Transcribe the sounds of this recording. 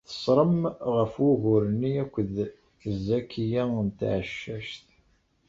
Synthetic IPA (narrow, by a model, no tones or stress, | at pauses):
θə̥sˤɾˤəmʁəfwʊʝʊɾnːiækʷːəð | θəzːækijæənt̪ʕəʃːæʃt̪